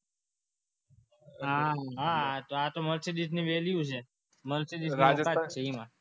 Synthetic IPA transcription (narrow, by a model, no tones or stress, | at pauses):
ɦaɦãt̪oat̪oməlsid̪it̪niʋeljut͡ʃʰe | məlsid̪iakat͡ʃʰeimã